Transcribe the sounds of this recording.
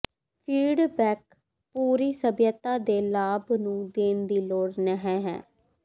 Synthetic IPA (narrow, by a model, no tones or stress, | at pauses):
pʰiːɖbɛːk̚ | puːɾiːsəbjət̪ːaːd̪eːlaːbnũːd̪eːnd̪iːloːɽnəɦɛ̃ːɦɛ̰̃ː